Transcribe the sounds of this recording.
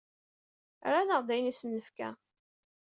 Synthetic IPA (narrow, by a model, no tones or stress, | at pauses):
ɾanəʁd̪æjnisənːəfkæ̰